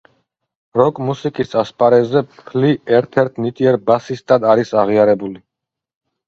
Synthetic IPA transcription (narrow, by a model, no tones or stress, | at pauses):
ɾɔkʼmusikʼisaspʼaɾɛzɛpʰliɛɾt̪ʰɛɾt̪ʰnit̪ʼiɛɾbasist̪ʼad̪aɾisaʁiaɾɛbuli